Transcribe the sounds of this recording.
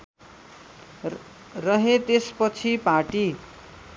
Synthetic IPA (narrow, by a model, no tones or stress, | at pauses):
rʌɦet̪espʌt͡sʰipaʈi